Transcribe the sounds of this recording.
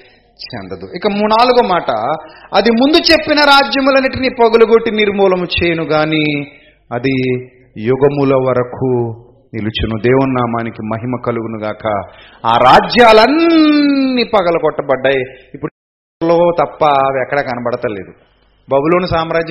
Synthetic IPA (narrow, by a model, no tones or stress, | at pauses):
t͡ʃɛ̰nd̪ɐd̪uikːɐmunaːluɡɐɐmaːʈɐ̰ɐd̪imund̪ut͡ʃe̞pːinɐɾaːd͡ʒjɐmulɐnːiʈiniːpɐɡɐluɡoʈːiniɾmɔːlɐmut͡ʃeːjɐnuɡaːniː | ɐd̪i | juɡɐmulɐʋɐɾɐkʰu | nilut͡ʃunud̪eːwunːaːmaːnikimɐɦimɐkɐluɡunuɡaːkɐ̰ | a̰ːɾaːd͡ʒjaːlɐnː | iːpɐɡɐlɐkɔʈːɐbɐɖːaːjiipːuɽ | loːt̪ɐpːɐɐʋiɛkːɐɽɐkɐnɐbɐɽɐt̪ɐlːe̞ːd̪u | bɐbuloːnusaːmɾaːd͡ʒɐ